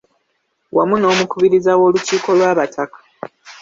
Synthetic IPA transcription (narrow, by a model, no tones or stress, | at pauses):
wʔa̰muno̞ːmukuβiɾizawo̞ːluciːko̞lwaːβatʰakḁ